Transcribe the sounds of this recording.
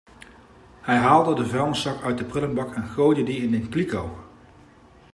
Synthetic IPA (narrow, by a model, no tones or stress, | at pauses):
hɛjɦaːlˠdədəvɛlˠnəsɑkœɥt̚dəprɪlənbɑkɛnχowdədiɪnenklikow